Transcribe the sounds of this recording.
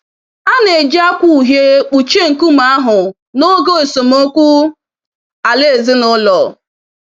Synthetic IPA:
a˦ne˨d͡ʒi˦a˦kʷu˦˨ɦje˦u˨t͡ʃe˦ŋ̩˨ku˦m̩˨a˦ɦʊ˨ | no˦ɡo˦e˨so˨m˦o˦kʷu˦ | a˨le˦e˨zɪ˦nʊ˦lɔ˨

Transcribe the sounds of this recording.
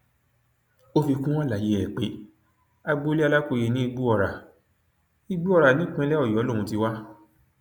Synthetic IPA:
o˦fi˧kũ˦w̃ɔ̃˦la˨je˨˦ɛ˨k͡pe˨˦ | a˧ɡ͡bo˦li˦a˧la˦ko˧je˧nĩ˦i˧ɡ͡bu˦ɔ˧˨ɾa˨ | i˧ɡ͡bu˦ɔ˧ɾa˨nĩ˨˦k͡pɛ̃˧˦lɛ˦ɔ˦˨jɔ˨˦õ˦˨ũ˧ti˧wa˦

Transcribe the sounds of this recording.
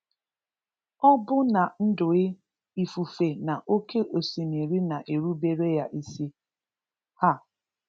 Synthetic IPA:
ɔ˦bʊ˦na˨n̩˦dʊ˨ɪ˦ | i˨fu˨fe˨na˨ʔo˦ke˦ʔo˨si˨ni˨ɾi˦na˨ʔe˨ɾu˦be˦ɾe˦ja˦ʔi˦si˦ | ha˦˨

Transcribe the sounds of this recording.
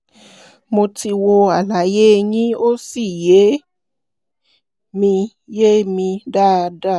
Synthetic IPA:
mo˧ti˧wo˧a˨la˨je˨˦˧ɲĩ˦o˦si˦˨je˨˦ | mĩ˧ | je˦mĩ˧da˦˧da˦˨

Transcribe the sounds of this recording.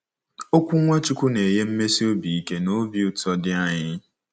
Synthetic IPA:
o˦kʷu˦ŋʷa˦t͡ʃu˦kʷu˦ne˨je˦m̩˦me˦si˦o˦bi˨i˦ke˦no˦bi˦u˦tɔ˦dɪ˦a˦ɲɪ˦

